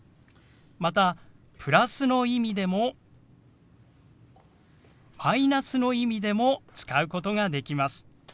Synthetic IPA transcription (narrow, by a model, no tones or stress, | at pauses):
mat̪a | pɯ̟ɾasɨno̞imʲid̪emo | mainasɨno̞imʲid̪e̞mo̞t͡sɨ̥kaɯ̟ko̞t̪o̞ɡad̪e̞kʲimasɨ̥